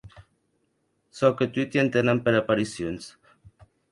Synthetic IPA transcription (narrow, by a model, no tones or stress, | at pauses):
sɔket̪wit̪jent̪enampeɾapaɾisjons